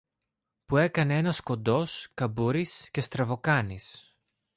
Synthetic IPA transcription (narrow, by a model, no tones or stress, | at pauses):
pue̞kɐne̞e̞nɐsko̞nd̪o̞skɐbuɾisce̞st̪ɾɐvo̞kɐnis